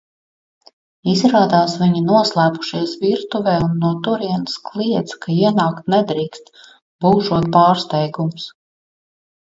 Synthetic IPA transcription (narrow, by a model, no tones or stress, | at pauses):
izɾaːd̪aːsviɲinuɔslˠæːpu̥ʃiɛsviɾt̪uvɛːunːuɔt̪uɾiɛnsklˠiɛt̪skaiɛnaːkt̪̚nɛd̪ɾiːkst̪ | b̥uːʒuɔt̪̚pɑːɾst̪ɛjɡums